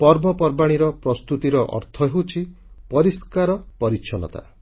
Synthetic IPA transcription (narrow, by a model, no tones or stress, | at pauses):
pɔɾbɔpɔɾbaɽ̃iɾɔpɾɔst̪ut̪iɾɔʔɔ̰ɾt̪ʰɔɦewt͡ʃʰi | pɔɾiskaɾɔpɔɾikʃʰɔnɔ̰t̪a̰